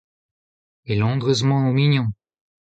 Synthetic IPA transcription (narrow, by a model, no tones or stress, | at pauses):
melɔ̃d̪ʁəzmɑ̃omiɲɔ̃